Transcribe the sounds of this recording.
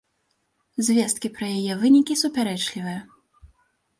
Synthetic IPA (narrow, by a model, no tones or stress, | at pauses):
zʲvʲɛst̪̚kʲipɾɐjajɛvɨnʲikʲisupʲaɾɛt͡ʂlʲivɨjɐ